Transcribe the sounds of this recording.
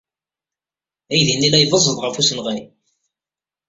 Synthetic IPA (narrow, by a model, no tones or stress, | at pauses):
æjðinːilæjðˤəzˤːəðˤʁəfusənʁæj